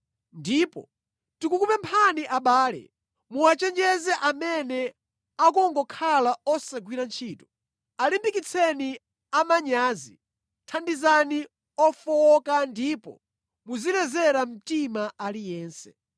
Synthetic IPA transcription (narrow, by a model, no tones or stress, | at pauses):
ndipɔ̰ | tikukupɛmpʰaniʔaɓaːlɛ̰ | muat͡ʃɛnd͡ʒɛzɛʔamɛnɛ | akɔŋɡɔkʰalaɔsaɡwiɾant͡ʃʰiːtɔ̥ | alimbikit͡sʰɛni | amaɲaːzi | tʰandizani | ɔfɔɔkandiːpɔ̰ | muzilɛzɛɾam̩timaʔalijɛːnsɛ̥